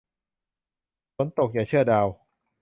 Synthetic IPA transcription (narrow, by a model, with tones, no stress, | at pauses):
t͡ɕʰo˨˩˦nt̪o˨˩k̚jaː˨˩t͡ɕʰɯ˥˩ɐdaː˧w